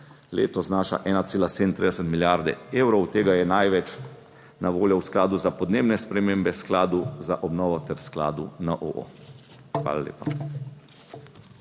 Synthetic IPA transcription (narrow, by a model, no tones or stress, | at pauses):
lḛːt̪ɔznaːʃa̰ʔɛːnat̪seːlaseːd̪n̩t̪ɾid̪ɛsɛt̪miljaɾd̪ɛ̰eːwɾɔwt̪eːɡajɛnajʋɛt͡ʃ | naʋoːljɔwsklaːd̪uzapɔd̪neːbnɛspɾɛmeːmbɛsklaːd̪uzaʔɔbnɔːʋɔt̪ɛɾskla̰ːd̪unəʔo̰ʔo̰ | xʋa̰ːlalḛːpa̰